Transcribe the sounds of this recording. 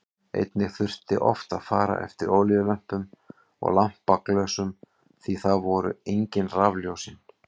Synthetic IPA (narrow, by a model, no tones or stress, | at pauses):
ḛjt̪nɪɣθʏr̥t̪ɪʔɔ̰ft̪aðfaːɾa̰ʔɛ̰ft̪ɪɾoːwljʏlœm̥pʏm | ɔ̰ɣlam̥pːaklœsʏm | θiθaðvɔɾʏ̰eɲcɪnravljowsɪn